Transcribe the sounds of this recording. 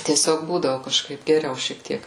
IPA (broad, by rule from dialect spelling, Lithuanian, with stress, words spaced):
tʲiɛˈsʲoːk ˈbuːdɐʋʊ kɐʃˈkɐɪp ɡʲɛˈrʲɛʊ ʃʲiɛk ˈtʲiɛk